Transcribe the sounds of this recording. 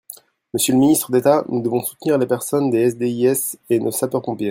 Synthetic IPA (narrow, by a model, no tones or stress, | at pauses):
məsjələminist̪χəd̪et̪anud̪əvɔ̃su̥t̪niʁlepɛʁsɔnd̪eɛsd̪eiɛsenosapœʁpɔ̃pje